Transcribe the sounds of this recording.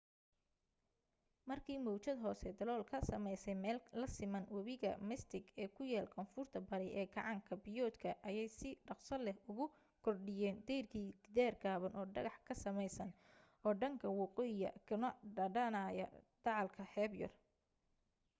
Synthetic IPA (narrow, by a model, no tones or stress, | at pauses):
mɐrkʰiːmɔwt͡ʃɐd̪ɦɔːsɛd̪ɐlɔːlkʰɐsɐmɛjsɛjmɛːllɐsɪmɐnwɐβɪɣɐ̰mɪst̪ʰɪɡɛːkʰʊjɛːlkʰɔnfʊrt̪ʰɐbɐɾɪjʔɛːɡɑʕɑŋkʰɐbɪjɔːd̪kʰɐʔɐjɛjsɪɖɑqsɐlɛhʊɣʊ | kʰɔrɖɪjɛːnd̪ɛjrkʰiːd̪̥ɪðɛːrɡaːβɐnʔɔːɖɐɣɑħkʰɐsɐmɛjsɐn | ʔɔːɖɐŋkʰɐwɑqɔːjjɐ̰kʰɐnɐɖɐɖɐnaːjɐ̰d̪̥ɑʕɑlkʰɐħɛːbjɔ̰r